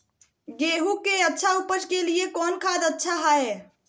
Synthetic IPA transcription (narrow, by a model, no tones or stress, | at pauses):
ɡeɦukeətːʃʰaupəskeliekɔnkʰad̪ətːʃʰaɦae